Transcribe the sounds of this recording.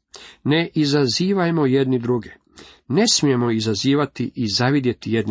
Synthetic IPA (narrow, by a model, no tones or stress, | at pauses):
ne̞ʔizaziːʋajmo̞jed̪nid̪ɾuɡe | ne̞smije̞mo̞izaziːʋat̪iʔizaʋid̪je̞t̪ijed̪n